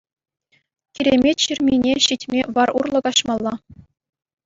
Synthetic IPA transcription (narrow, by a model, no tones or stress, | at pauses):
kʲiɾʲemʲetʲɕirʲmʲinʲeɕitʲmʲeʋɑrṵrlˠɤ̆kɑɕmɑlˠːɑ